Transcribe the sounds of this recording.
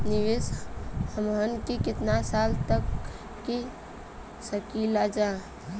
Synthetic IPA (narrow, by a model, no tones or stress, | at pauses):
nɪʋɪshəmɦənkikɪt̪nasaːlt̪əkː | i | səkiːlad͡ʒaː